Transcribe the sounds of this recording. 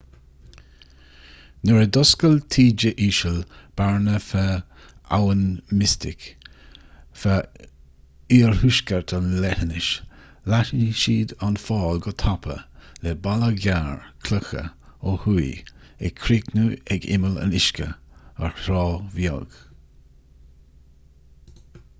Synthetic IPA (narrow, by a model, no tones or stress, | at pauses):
nəɹəd̪ʊskəltʰiːd͡ʒəʔiːʃəlb̥aɹnəfə | a̰wənmɪstɪk | fa | iːɹhuʃkəɹtʰanlɛɾənɪʃ | laʃiʃiːd̪anfɑːlɡɔt̪ʰapʰə̰lɛbaləɡaːɹkʰləxə̰ohuj | ɛ̰kʰɾiːknuːɛɡɪ̰mələ̰nɪʃkə̰əɹhɾɔːvjɔ̰ɡ̥